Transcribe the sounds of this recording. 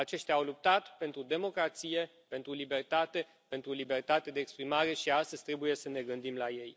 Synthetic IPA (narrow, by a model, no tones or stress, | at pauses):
at͡ʃe̞ʃt̪ʲaːwlup̚t̪at̪pe̞nt̪ɾud̪e̞mo̞kɾat̪sije̞ | pe̞nt̪ɾulibe̞rt̪at̪e̞ | pe̞nt̪ɾulibe̞rt̪at̪e̞d̪eːkspɾimaɾe̞ʃiast̪əz̥ʲt̪ɾe̞buje̞səne̞ɡɨnd̪imlaje̞j